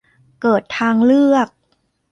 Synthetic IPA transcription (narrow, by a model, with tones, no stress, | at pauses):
kɤː˨˩t̪ʰːaː˧ŋlɯ˥˩ək̚